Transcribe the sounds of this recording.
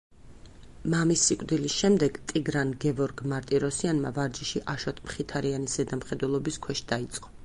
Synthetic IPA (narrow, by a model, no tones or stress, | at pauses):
mamisːikʼɾd̪ilisʃɛmd̪ɛɡ̥t̪ʼiɡɾanɡɛvɔɾɡmaɾt̪ʼiɾɔsianma̰vaɾd͡ʒiʃiʔaʃɔt̪ʼmχit̪ʰaɾianiszɛd̪amχɛd̪wɛlˠɔbiskʰwɛʃd̪ait̪sʼqʼɔ̥